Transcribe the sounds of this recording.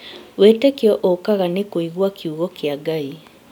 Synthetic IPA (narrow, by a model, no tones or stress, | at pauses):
weːtɛkjɔʔokaɣanekoiɣwakʰiuɣɔkeaɡai